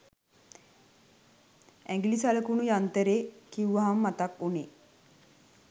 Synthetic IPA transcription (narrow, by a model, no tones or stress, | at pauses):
ɛŋɡilisaləkunujant̪əɾeːkiuʋaɦamːat̪akuneː